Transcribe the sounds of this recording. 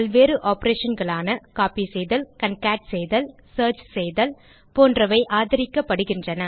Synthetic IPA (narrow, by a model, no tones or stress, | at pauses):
pɐlʋeːɾɯʔaːpɾeːʂɐnɡɐɭaːnɐkaːpisɛjðɐlkɐnkaːʈsɛjðɐl | sɐːɾt͡ʃsɛjðɐl | poːndrɐʋɐɪʔaːðɪɾɪkːɐpːɐɽɯɣɪndrɐnɐ